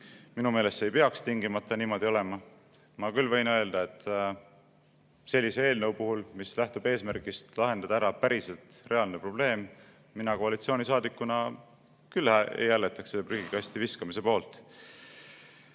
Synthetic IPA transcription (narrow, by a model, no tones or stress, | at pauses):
minume̞ːle̞st̪e̞jpe̞ɑkst̪iŋɡimɑt̪ːˑɑniːmo̞d̪̥io̞le̞mɑ | mɑkylːvɤ̞jnø̞e̞ld̪̥ɑe̞t̪ːˑ | se̞lʲːisee̞ːlnɤwpuɦulmislæht̪ub̥e̞ːsmæɾkist̪lɑɦe̞nd̪̥ɑd̪̥ɑæɾɑpæɾise̞lt̪re̞ɑlnepro̞b̥le̞ːm | minɑkoɑlit̪sio̞ːnʲisɑːd̪ikːˑunɑ | kylhæḛjːælːe̞t̪ːˑɑkselːeryɡ̥ikɑst̪iviskɑmise̞po̞ːlt̪ˑ